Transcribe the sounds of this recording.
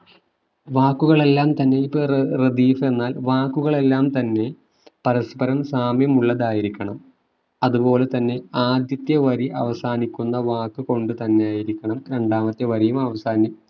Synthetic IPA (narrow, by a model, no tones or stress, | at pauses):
ʋaːkːuɣɐɭe̞lːaːmt̪ɐnːe̞ipːorred̪iːfe̞nːaːlʋaːkːuɣɐɭe̞lːaːmt̪ɐnːe̞ | pɐɾɐspɐɾɐmsaːmjɐmuɭːɐðaːjiɾikʲːɐɳɐm | ɐðupo̞ːle̞t̪ɐnːe̞aːd̪jɐt̪jɐʋɐɾiʔɐʋɐsaːnikʲːunːɐʋaːkːɨko̞ɳɖɨt̪ɐnːe̞jaːjiɾikʲːɐɳɐmɾe̞ɳɖaːmɐt̪ːeʋɐɾijumɐʋɐsaːnjɐm